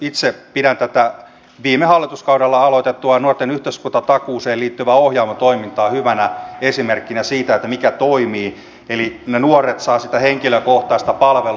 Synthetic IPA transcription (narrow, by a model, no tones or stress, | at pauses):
it̪sepidænt̪æt̪æ | ʋiːmehɑlːit̪uskɑudɑlːɑɑlot̪et̪ːuɑnuort̪enyht̪øskunt̪ɑt̪ɑkuːseːliːt̪ːyʋæohjɑːmɑt̪oimint̪ɑːhyʋænæesimerkːinæsiːt̪æet̪ːæmikæt̪oimiː | elinenuoret̪sɑːsit̪æheŋkiløkoht̪ɑst̪ɑpɑlʋel